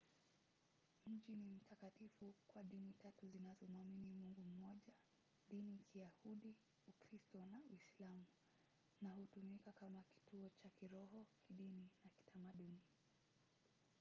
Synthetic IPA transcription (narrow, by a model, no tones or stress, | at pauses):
m̩ʄinim̩tʰakatifukwaɗinitatuzinazɔmuaminimuŋɡum̩mɔʄa | ɗinikʰijahuɗi | ukɾistɔnauislamu | nahutumikakamaki̥tuɔt͡ʃakiɾɔɦɔkʰiɗininaki̥tamaɗuni